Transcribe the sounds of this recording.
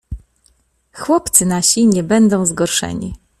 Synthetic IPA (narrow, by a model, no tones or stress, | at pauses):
xwɔpt̪sɘnaɕiɲɛbɛnd̪ɔ̃w̃zɡɔɾʂɛ̰ɲḭ